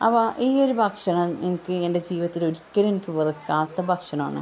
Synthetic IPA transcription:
ɐ̰pːɐʔiːo̞ɾubʱɐkʂɐɳɐmenikʲːɨe̞nde̞d͡ʑiːʋɐt̪ːilo̞ɾikʲːɐɾenikʲːɨʋɐrɨkːaːt̪ːɐbʱɐkʂɐɳɐma̰ːɳɨ̰

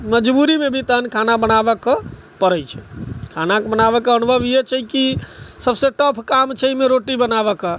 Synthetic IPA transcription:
məd͡ʒbuɾimebʱit̪ənkʰanabənabək | pəɾɛt͡ʃʰɛkʰanakbənabɛkənbʱəbijet͡ʃʰɛkisəbseʈəpʰkamt͡ʃʰɛimeɾoʈibənabɛkə

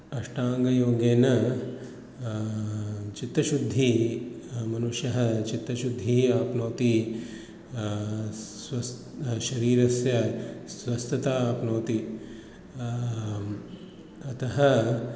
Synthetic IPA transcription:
ɐʂʈaːŋɡɐjoːɡeːnɐ | t͡ʃit̪ːɾɐʃud̪ʱːi | mɐnuʃjɐɦɐ̆t͡ʃit̪ːɾɐʃud̪ʱːiaːpnoːt̪i | swɐs | ʃɐɾiːɾɐsjɐswɐst̪ʰɐt̪aːaːpnoːt̪i | ɐt̪ɐɦɐ

